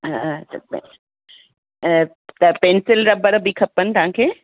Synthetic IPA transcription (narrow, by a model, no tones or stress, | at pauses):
t̪ɐp | t̪ɐpẽːnsɪlɾɐbəɾbikʰɐpənɪ̆t̪ɐɦãkʰeː